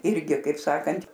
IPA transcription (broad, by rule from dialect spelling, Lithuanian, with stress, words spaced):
ˈɪrʲɡʲɪ kɐɪp ˈsɑːkɐnʲtʲ